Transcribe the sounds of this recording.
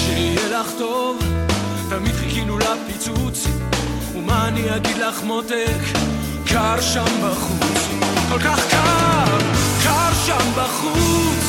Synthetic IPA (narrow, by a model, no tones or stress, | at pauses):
ʃiihelaχt̪ov | t̪amid̪χikinulapit͡sut͡s | umaniaɡid̪laχmot̪ek | kaɾʃambaχut͡s | kolkaχka | kaʁʃambaχut͡s